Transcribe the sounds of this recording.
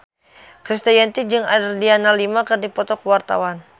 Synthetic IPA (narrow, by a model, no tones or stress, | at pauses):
kɾist̪ajɛnt̪id͡ʒɨŋadərdianalimakɨrdipɔt̪ɔkwart̪a̰wan